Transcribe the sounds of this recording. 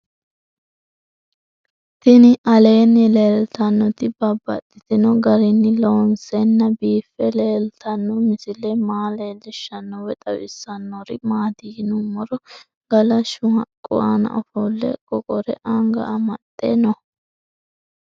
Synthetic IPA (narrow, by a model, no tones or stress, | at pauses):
t̪ɪnɪʔɐle̞ːnːɪleːlt̪ɐnːɔt̪ɪbɐbːɐ̰t̪ʼːɪt̪ɪnɔɡɐɾɪnːɪloːnsɛnːɐbiːfːɛleːlt̪ʰɐnːɔmɪsɪlɛmaːleːlɛʃːɐnːɔwɛt̪ʼɐ̰wɪ̰sːɐnːɔɾɪmaːd̪iɡnʊmɔɾɔ | ɡ̥ɐlɐʃʊhɐkʼːʊ̰wa̰nɐ̰ʔɔfɔlːɛ̰kʼɔkʼɔɾɛʔɐŋɡɐ̰ɐmɐt̪ʼːḛnɔ